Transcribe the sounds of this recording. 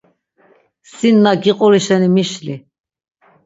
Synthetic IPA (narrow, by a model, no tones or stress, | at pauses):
sinːaɡiqʼɔɾiʃɛnimiʃli